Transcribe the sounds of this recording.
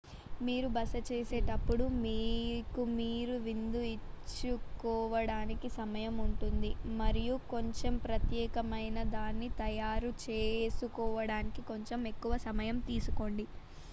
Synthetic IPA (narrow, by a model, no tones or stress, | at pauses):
miːɾubɐsɐt͡ʃeːse̞ːʈɐpːuɽumiːkumiːɾuʋind̪uit͡ʃːukɔːʋɐɽaːnikisɐmɐjɐmuɳʈund̪imɐɾijuko̞ɲt͡ʃempɾɐt̪jɛːkɐmɐjnɐd̪aːnːit̪ɐjaːɾut͡ʃeːsukɔːʋɐɽaːnikiko̞ɲt͡ʃeme̞kːuʋɐsɐmɐjɐmt̪iːsuko̞ɳɖi